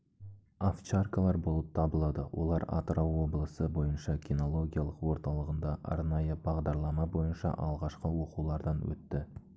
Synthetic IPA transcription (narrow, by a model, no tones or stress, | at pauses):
aft͡ʃarkalˠɑɾbo̞lˠəp̚t̪ʰɑbəlˠɑd̪əwʔo̞̰lˠɑɾa̰t̪rowːo̞blˠəsəbo̞jənʃɑkʲino̞lˠo̞ɡʲijalˠəqwo̞ɾt̪ɑlˠəʁənd̪ɑʔɑ̰ɾnɑjəbɑʁd̪ɑɾlˠɑmɑbo̞jənʃɑ̰ʔɑlˠʁɑʃqəwo̞qulˠɑɾd̪ɑnwɵ̰t̪ːɪ